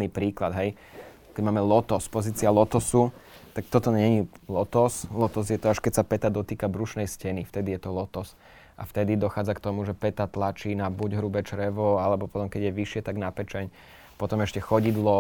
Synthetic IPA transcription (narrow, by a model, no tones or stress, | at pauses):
niːpɾiːklad̪ɦɛj | kɛɟmaːmɛlɔt̪ɔspɔziːt͡sialɔt̪ɔsu | t̪ak̚t̪ɔt̪ɔɲɛɲilɔt̪ɔslɔt̪ɔzjɛt̪ɔaʃkɛcsapɛt̪ad̪ɔt̪iːkabɾuʃnɛjscɛnift̪ɛd̪ijɛt̪ɔlɔt̪ɔs | ʔa̰ft̪ɛd̪id̪ɔxaːd͡zakt̪ɔmuʒɛpɛt̪at̪lat͡ʃiːnabuɟɦɾubɛt͡ʃɾɛʋɔalɛbɔpɔt̪ɔmkɛɟjɛʋiʃɪɛt̪aɡnapɛt͡ʃɛɲ | pɔt̪ɔmɛʃcɛxɔɟid̪lˠɔ